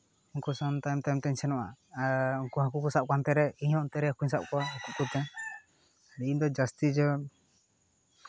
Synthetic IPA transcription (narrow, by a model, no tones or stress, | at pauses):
uŋkusɔnt̪ajmt̪ajmt̪ɛɲsɛnɔʔa̰ | uŋkuɦakukusaʔ̚kant̪ɛɾɛiɲhɔ̃ʔnt̪ɛɾɛakuɲsaʔ̚kɔwaɦakuʔkut̪ɛ | ɽid̪ɔd͡ʒast̪id͡ʒɔ